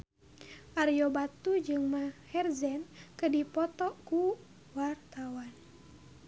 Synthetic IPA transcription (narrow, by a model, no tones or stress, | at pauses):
ʔaɾjɔbat̪ud͡ʒɨŋmahɛrzɛnkədipɔt̪ɔku | wart̪awan